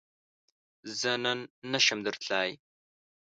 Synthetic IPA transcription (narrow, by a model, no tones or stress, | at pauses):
zɐnɐnːɐʃɐmd̪ɨrɬʰaːj